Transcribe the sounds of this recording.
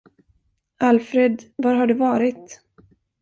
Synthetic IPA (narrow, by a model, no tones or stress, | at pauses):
alfɾed̪vaɾɦaɖɵvɑːɾɪt̪